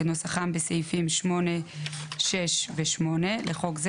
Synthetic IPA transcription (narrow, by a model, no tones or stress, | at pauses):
enosaχambesejfimʃmo̞neʃeʃveʃmo̞ne̞leχo̞kz